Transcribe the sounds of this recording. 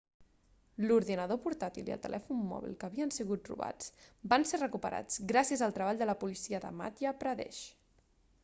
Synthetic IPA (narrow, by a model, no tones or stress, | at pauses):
luɾðinəð̞opuɾt̪at̪iliə̰lˠt̪ə̰lʔɛfunːɔ̰β̞ḭlˠkəβiənsiɣut̪̚rṵβa̰t͡sbanserəkupəɾʔa̰d͡zɡɾasiəzəlˠt̪ɾəβaʎd̪ələpulisiəðə̰ma̰t̪jəpɾəðɛ̰ʃ